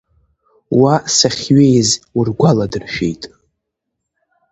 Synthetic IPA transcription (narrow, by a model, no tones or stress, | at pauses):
wasaχʲɥejzurɡʷaladɨrʃᶣe̞̰jtʼ